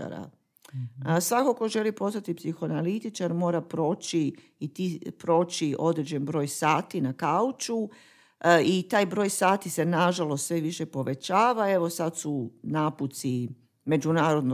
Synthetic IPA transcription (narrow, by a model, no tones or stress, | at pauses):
a̰ɾa̰ | sʋakoko̞ʒe̞lipo̞st̪at̪ipsixoanalit̪it͡ʃaɾmo̞ːɾapɾo̞ːt͡ʃi | it̪ipɾo̞ːt͡ʃiʔo̞d̪ɾed͡ʑenbɾo̞ːjsaːt̪inakaut͡ʃu | it̪aːjbɾo̞ːjsaːt̪ise̞naʒalˠost̪sʋeʋiʃe̞po̞ʋe̞t͡ʃaːʋae̞ʋo̞sat̪sunaput̪si | me̞d͡ʒunaːɾod̪no